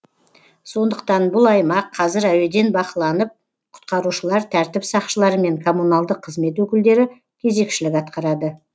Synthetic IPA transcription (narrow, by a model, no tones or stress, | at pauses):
so̞nd̪əqt̪ɑnbʊlˠɑjmɑqʰːɑzɪɾæwe̞d̪e̞nbɑqəlˠɑnəp̚ | qʰʊ̥t̪̚qɑɾuʃəlˠɑɾt̪ʰæɾt̪ɪpsɑqʃəlˠɑɾəme̞ŋkʰo̞munɑlˠd̪əqʰːəzme̞t̪wɵkʲɪld̪e̞ɾɪ | kʲʰe̞ze̞kʃɪlɪkɑt̪̚qɑɾɑd̪ə